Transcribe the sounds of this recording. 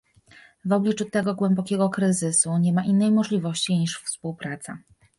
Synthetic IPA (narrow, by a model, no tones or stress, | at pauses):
vɔblʲit͡ʂut̪ɛɡɔɡwɛmbɔkʲɛɡɔkɾɘzɘsuɲɛmaʔinːɛjmɔʐlʲivɔɕt͡ɕiɲiʂfspuwpɾat̪sa̰